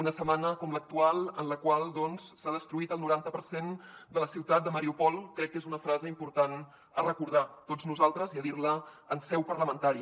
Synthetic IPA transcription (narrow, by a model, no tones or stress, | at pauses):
unəsəmanəkɔmlək̚t̪ualˠə̰nləkwalˠd̪ɔnssað̞əst̪ɾuit̪əlˠnuɾant̪əpəɾsend̪ələsiwt̪at̪̚d̪əməɾiupɔlˠkɾɛkːezunəfɾazəimpuɾt̪an | ərəkuɾð̞at̪oznuzalˠt̪ɾəziəðiɾləənsɛwpəɾləmənt̪aɾi